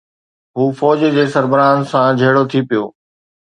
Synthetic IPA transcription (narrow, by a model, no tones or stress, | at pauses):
ɦuːfɔːd͡ʑd͡ʑeːsɐɾbɪɾaːn̆sãd͡ʑʱeːɽot̪ʰipijoː